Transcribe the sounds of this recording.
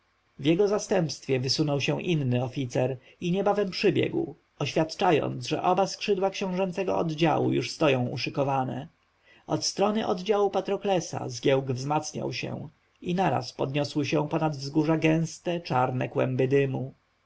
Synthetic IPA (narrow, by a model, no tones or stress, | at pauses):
vjɛɡɔzast̪ɛmpst̪fʲjɛvɘsunɔwɕɛ̃ʔinːɘɔfʲit̪sɛɾ | iɲɛbavɛmpʂɘbʲjɛ̰ɡw | ɔɕfʲjat̪t͡ʂajɔ̰nd̪zʐɛ̰ʔɔbaskʂɘd̪wakɕɛ̃w̃ʐɛnt̪sɛɡɔ̰ɔd̪d͡ʑa̰wṵjuʂst̪ɔjɔ̃w̃ṵʂɘkɔvanɛ̰ | ɔt̪st̪ɾɔnɘʔɔd̪d͡ʑawupat̪ɾɔklɛsa̰zɡʲjɛwɡvzmat̪sɲa̰wɕɛ̰̃ | inaɾa̰spɔd̪ɲɔswɘɕɛ̃pɔnad̪vzɡuʐaɡɛ̃w̃st̪ɛt͡ʂaɾnɛkwɛ̰mbɘd̪ɘmu